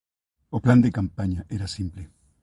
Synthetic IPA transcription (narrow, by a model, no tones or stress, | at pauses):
opland̪ekampaɲaʔeɾasimple